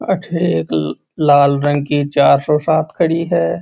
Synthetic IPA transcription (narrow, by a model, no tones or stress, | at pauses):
ɐ̰ʈʰeeːk | laːlɾə̃ŋɡkit͡ʃaːɾsɔsaːt̪ʰkʰɐɽiɦɛː